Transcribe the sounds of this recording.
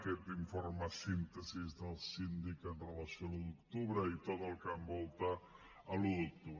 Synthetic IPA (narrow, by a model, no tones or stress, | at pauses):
kɛt̪̚d̪iɱforməsint̪əzizðəlˠsind̪ikənrələsioaluðukt̪uβɾəit̪ot̪əlˠkambɔlˠt̪a | əluðuk̚t̪uβ